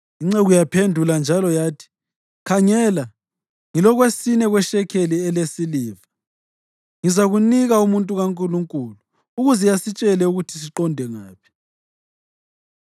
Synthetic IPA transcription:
iŋ͡ǀeɣujapʰendʱuland͡ʒʱalɔjaːtʰi̥ | kʰaɲɛːla | ŋilɔɣwesinɛɣwɛʃɛkʰeliɛlesiliːva | ŋizaɣuniɣaumuntʼuɣaŋkʼuluŋkʼuluː | ɣuzɛjasit͡ʃʼɛlɛuɣutʰi̥siǃɔndʱɛŋaːpʰi̥

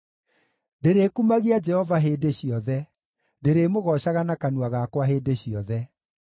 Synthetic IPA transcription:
ndeɾeːkumaɣiad͡ʒɛhɔvaɦedeɕiɔðɛ | ndeɾemoɣɔɕaɣanakanuaɣakwaɦeːdeɕiɔðɛ

